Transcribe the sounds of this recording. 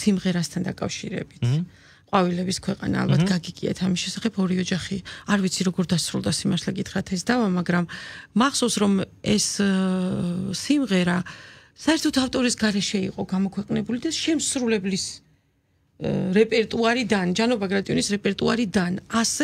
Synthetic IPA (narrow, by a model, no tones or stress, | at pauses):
simʁɛɾast̪ʰand̪akʼa̰fʃḭɾɛ̰bit̪ʰ | qʼwavilɛbiskʰwɛqʼana̰ːlˠbat̪̚ʰɡaɡiɡʼiɛ̰t̪ʰamiʃɛsaχɛbʰɔɾiɔd͡ʒaχiaɾvit̪sʰiɾɔɡɔɾd̪asɾulˠd̪asimaɾt̪ʰlaɡit̪ʰχɾat̪ʰɛsd̪avamaɡɾamːaχsɔvfsɾɔmɛs | simʁɛɾa | saɛɾt̪ʰɔt̪ʰaft̪ʼɔɾisɡaɾɛʃɛḭqʼɔɡamɔkʰwɛqʼnɛbulid̪aʃɛmsɾulɛblis | ɾɛpʼɛɾt̪ʼuaɾid̪and͡ʒanɔbaɡɾat̪ʼiɔnisɾɛpʼɛɾt̪ʼuaɾid̪anasɛ